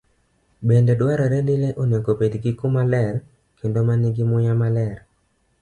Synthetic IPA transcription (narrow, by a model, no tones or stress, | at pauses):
bendedwaɾɔɾendileʔonekopedɡikumalɛr | kendomanɪɡɪmʊjamalɛr